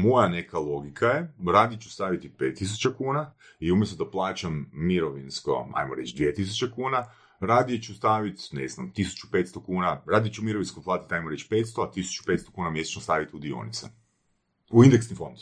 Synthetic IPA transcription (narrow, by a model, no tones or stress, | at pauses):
mo̞jane̞kalˠo̞ɡikʰajeɾaːd̪iet͡ʃust̪aːʋit̪ipeːt̪ːis̬u̥t͡ʃakuːna | iumjest̪od̪aplˠaːt͡ʃamːiɾoʋinsko̞̰a̰jmoɾe̞t͡ʃd̪ʋiet̪is̬ut͡ɕekuːna | ɾaːd̪ijet͡ʃust̪aːʋit̪nḛzna̰mt̪isu̥t͡ʃu̥pe̞ːt̪st̪okuːnaɾaːd̪it̪t͡ʃumiɾoʋinskoplˠaːt̪i̥t̪ajmoɾet͡ɕpet̪st̪oat̪isu̥t͡ʃu̥pe̞t̪st̪okuːnamje̞set͡ɕnost̪aːʋit̪iud̪io̰nḭt̪se | uind̪eksnifond̪